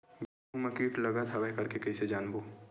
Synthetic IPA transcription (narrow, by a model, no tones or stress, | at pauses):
be | ũmɐkiːʈlɐɡat̪ɦɐʋəɦkɐɾkekɐised͡ʒaːnboː